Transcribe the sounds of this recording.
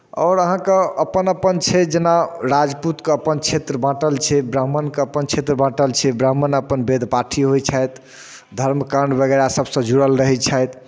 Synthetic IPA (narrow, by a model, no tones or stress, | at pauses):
ɔːɾəɦãkeəpənəpənt͡ʃʰɛd͡ʒenaɾad͡ʒput̪keəpənt͡ʃʰet̪ɾəbãʈəlt͡ʃʰɛbɾəmənkeəpənt͡ʃʰet̪ɾəbãʈəlt͡ʃʰɛbɾəmːənəpənbed̪ʱpaʈʰiɦojt͡ʃʰajt̪ | d̪ʱəɾmkaɳɖbəɡəɾasəbsə̃d͡ʒuɽəlɾəɦɛt͡ʃʰajt̪